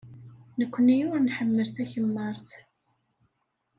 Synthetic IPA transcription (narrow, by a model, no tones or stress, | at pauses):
nəkʷːənijʊɾnħəmːəlθæçəmːəɾˤθ